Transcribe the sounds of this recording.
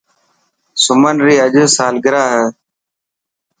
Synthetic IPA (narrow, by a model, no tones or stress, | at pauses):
sʊmənɾiːəʄəːsaːlɡɪɾaːɦəː